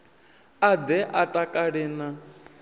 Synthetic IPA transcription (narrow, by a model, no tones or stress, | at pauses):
ad̪ɛʔatʼakʼaɺɪːna